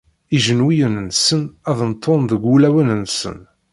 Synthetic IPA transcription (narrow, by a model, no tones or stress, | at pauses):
iʒənwijənənsənæðənt̪ʰːonðəɡʷulæwənənsə̰n